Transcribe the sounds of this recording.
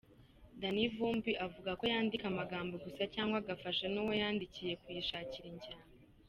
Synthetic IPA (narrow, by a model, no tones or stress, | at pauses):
danivuːmbiʔavuɡako̞jaːndikamaɡaːmboɡusacaːŋɡwaɡafaʃenuwo̞jaːndicije̞kujiʃaːciɾiɲɟaːna